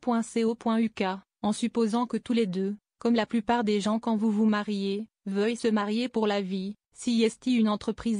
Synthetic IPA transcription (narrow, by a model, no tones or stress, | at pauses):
pwɛ̃seopwɛ̃yka | ɑ̃sypozɑ̃kət̪uled̪ø | kɔmlaplypaʁd̪eʒɑ̃kɑ̃vuvumaʁje | vœjsəmaʁjepuʁlavi | sijɛst̪iynɑ̃t̪χəpχiz